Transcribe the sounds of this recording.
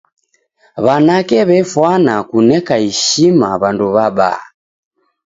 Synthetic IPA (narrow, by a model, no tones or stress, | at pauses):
βanakɛβɛfwanakunɛkaiʃimaβanduβaɓa̰ː